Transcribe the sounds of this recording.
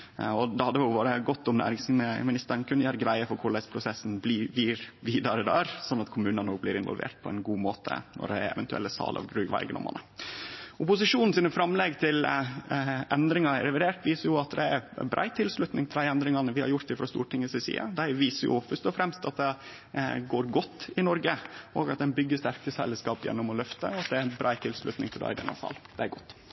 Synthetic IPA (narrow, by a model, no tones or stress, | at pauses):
ɔd̪ɛhɑd̪ːəʋɪlʋoːɾəɡɔt̪ːɔmnæ̰ːɾɪŋsmɪnɪst̪əɳkʰʉnjæːɾɡɾæɪəfɔɾkʰʊɭæɪspʰɾʊsɛsn̩bliʋiːɾʋiːd̪ɑɾəd̪ææɾsɔnːɑt̪kʰʊmʉːnənoːɡ̚blɪɾɪnʋɔ̰lʋḛːʈ̚pʰɔɛɪnɡuːmoːt̪ʰə̰nɔ̰ɖɛɛ̰ʋɛnt̪ʉɛ̰lːəsɑ̰ːlɑ̰ʋɡɾʉːɡʋɑ̰ɾɡd̪ɔ̰mːʔɑ̰nə | ʊpʊsɪʂuːnn̩siːnəfɾɑmlɛɡt̪ʰɪl | ʔɛnd̪ɾɪŋɑɾɛʋɪd̪eːʈʋiːsəɾjʊɑt̪d̪ɛæɾbɾʔɑ̰ɪt̪ʰɪlslʉt̪nɪŋt̪ʰɪld̪æɪɛnd̪ɾɪŋɑnəʋɪhɑ̰ɾjʊɾt̪ɪfɾɑst̪uːʈʰɪŋːəsɪsḭːɑ̰d̪æɪʋiːsəɾjʊ̰fœst̪ɔfɾɛmst̪ɑt̪̚d̪ɛ | ɡoːɾɡɔt̪ːɪnɔɾɡəɔːɡɑt̪̚d̪ɛnbʏɡːəst̪æɾkəsɛlːəskɑːpjɛ̰nːʊmɔlœft̪ə̰ɔɑt̪̚d̪ɛæɾbɾɑːt̪ʰɪlslʉ̰t̪nɪŋt̪ʰɪlæ̰ɪd̪ɛ̰nːɑ̰sɑ̰ld̪̥ɛæɾɡɔt̪ː